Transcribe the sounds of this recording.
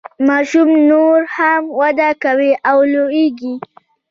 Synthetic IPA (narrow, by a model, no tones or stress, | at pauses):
mɑɾʃumnoɾhamwad̪akaweʔawloeɡi